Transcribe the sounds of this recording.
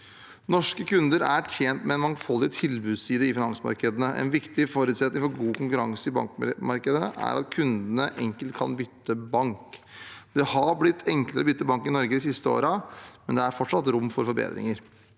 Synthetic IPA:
nɔʂkəkʰʉnd̪əɾætʰjɛnt̪mɛɛnmɑŋfɔlːɪt̪ʰɪlbʉːsiːd̪əɪfɪnɑŋsəmɑ̰ɾkəd̪ənəʔɛ̰nʋɪkt̪ɪfoɾʉːt̪sɛt̪nɪŋfɔɾɡuːkʰʊŋkʉɾɑŋsəɪbɑ̰ŋkmɑɾkəd̪əəʔæ̰ɾɑ̰t̪kʰʉnd̪ənəʔɛŋkəlt̪kʰɑ̰nbʏt̪ːəbɑŋkd̪̥ɛhɑɾblɪt̪ʰːɛŋkləɾɔbʏt̪ːəbɑŋkɪnɔɾɡəd̪ɪsɪst̪əo̰ːɾəmɛnd̪ɛæɾfɔʈʂɑt̪ɾʊmːfɔɾfɔɾbḛːd̪ɾɪ̰ŋəɾ

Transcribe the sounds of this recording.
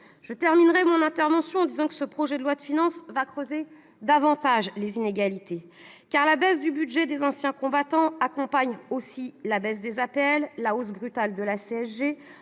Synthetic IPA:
ʒ̥ət̪ɛʁminʁɛmɔ̃nɛ̃t̪ɛʁvɑ̃sjɔ̃ɑ̃d̪izɑ̃kə̥səpχɔʒɛd̪əlwad̪əfinɑ̃svakχøze | d̪avɑ̃t̪aʒlezineɡalit̪e | kaʁlabɛs̬d̪ybyd̪ʒɛd̪ezɑ̃sjɛ̃kɔ̃bat̪ɑ̃akɔ̃paɲosilabɛsd̪ezapeɛlːaosbʁyt̪ald̪əlaseɛsʒe

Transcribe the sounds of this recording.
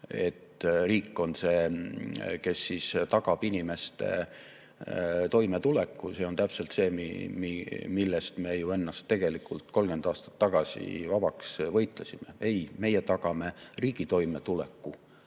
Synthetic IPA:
e̞̰t̪ːriːkːˑo̞nse̞ː | ke̞sːist̪ɑɡ̥ɑb̥inʲime̞st̪ḛ | t̪o̞jme̞t̪ule̞kːuse̞ːo̞nt̪æpselt̪se̞ːmḭmimilːest̪me̞ːjue̞nːɑst̪ːe̞ɡ̥e̞likult̪ko̞lɡe̞nd̪ɑːst̪ɑ̥t̪ːɑɡ̥ɑsʲḭvɑb̥ɑksvɤjt̪ˑlesime̞e̞jme̞jet̪ɑɡ̥ɑme̞riːɡ̥it̪o̞jme̞t̪ulekːu

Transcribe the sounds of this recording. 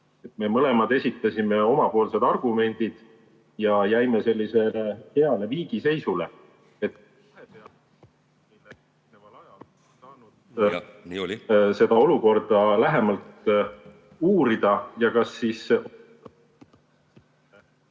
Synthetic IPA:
e̞t̪me̞mɤle̞mɑd̪̥e̞sʲit̪ːˑɑsime̞o̞mɑpo̞ːlse̞d̪ɑrɡ̥ume̞nʲd̪̥id̪̥ | jɑjæjmese̞lːise̞lehe̞ɑle̞viːɡ̥ise̞jsule̞ | et̪ː | hepeɑ | mejlːe | nevɑlɑjɑl | nsɑːnud̪ | se̞d̪ɑo̞luko̞rd̪̥ɑlæɦemɑlt̪ | uːɾid̪̥ɑjɑkɑsːis

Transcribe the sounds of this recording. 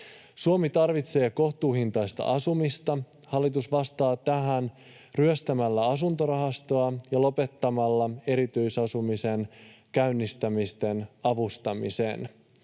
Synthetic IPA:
suomit̪ɑrʋit̪se̞ːko̞ht̪uːhint̪ɑjst̪ɑ̰ʔɑsumist̪ɑ | hɑlːit̪usʋɑst̪ɑːt̪æɦæn | ryøst̪æmælːæɑsunt̪o̞ɾɑɦɑst̪oɑjɑlo̞pe̞t̪ːɑmɑlːɑe̞ɾit̪yjsɑsumise̞nkæynːist̪æmist̪e̞nɑʋust̪ɑmḭse̞̰n

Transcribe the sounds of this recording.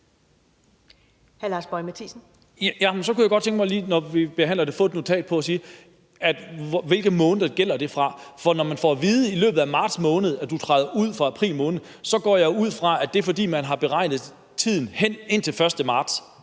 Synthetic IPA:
hæɐlɑ̈ːsb̥ɒ̽ɪmæt͡sʰḭːsn̩ | jæmnsɒ̽kujæɡ̥ɒd̥̚t͡sʰeŋɡ̥mɑɪliːnɒʋib̥e̝ɦæn̰lɐd̥e̝fɔ̽ːd̥nut͡sʰɛ̰ːd̥pʰɒ̽æsiː | æd̥ʋe̝lɡ̥əmɔ̽ːnəðˠɐɡ̥el̰ɐd̥e̝fʁɑ̈fɒ̽nɒmænfɒ̰ʋiːðˠəilø̰ːb̥ð̩ˠæmɑ̈ːd̥smɔ̽ːnəð̞̩ˠæd̥ut͡sʰʁɑ̈ɪðˠɐʔuð̞̰ˠfʁɑ̈æpʰʁḭːlmɔ̽ːnð̩ˠ | sɒ̽ɡ̥ɒ̰ːjɑ̈ɪʊuð̞̰ˠfʁɑ̈æd̥e̝fɒ̽d̥ḭːmænɦɑ̈b̥e̝ʁɑ̈ɪnð̞̩ˠ | t͡sʰið̞̰ˠn̩hen̰e̝n̰t͡sʰe̝lfɶɐsd̥əmɑ̈ːd̥s

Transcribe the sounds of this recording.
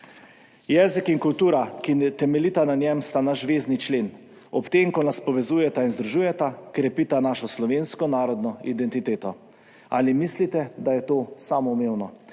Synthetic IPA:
jɛːzikiŋkult̪uːɾakit̪ɛmɛlit̪ananʲjɛmst̪anaʒʒʋeːznit͡ʃleːn | ɔpt̪eŋkɔnaspɔʋɛzuːjɛt̪ainzd̪ɾuʒuːjɛt̪akɾɛpit̪anaʃɔslɔʋenskɔnaːɾɔd̪nɔid̪ɛnt̪it̪eːt̪ɔ | a̰limislit̪ɛd̪ajɛt̪oːsaːmɔumeːwnɔ

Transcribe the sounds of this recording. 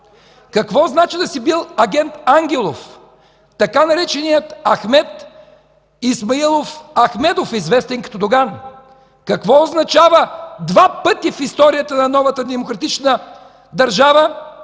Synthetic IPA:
kɐkvɔznat͡ʃid̪ɐsibilˠɐɡʲɛnt̪aŋɡʲɛlˠof | t̪ɐkanɐɾɛt͡ʃɛnijət̪ɐxmɛt̪ | ismɐilˠofɐxmɛd̪ofizvɛst̪ɛnkɐ̥t̪od̪oɡan | kɐkvɔoznɐt͡ʃavəd̪vapɤt̪ifist̪ɔɾijət̪ənɐnɔvɐt̪əd̪ɛmokɾɐt̪it͡ʃnə | d̪ɐɾʒavə

